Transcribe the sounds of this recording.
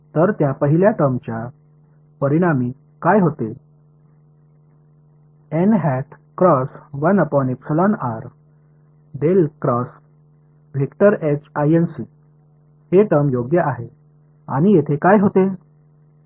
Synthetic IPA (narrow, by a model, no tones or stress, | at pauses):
t̪əɾt̪japəɦiljaʈəmt͡ɕja | pəɾiɽ̃ami | kajɦot̪e | enɦɛʈʰ | kɾɔsʋənəpɔnepsəlɔnaɾ | ɖelkɾɔs | ʋʱekʈəɾet͡ɕajensi | heʈəmjoɡjəʔaɦe | a̰ɽ̃ijet̪ʰekajɦot̪e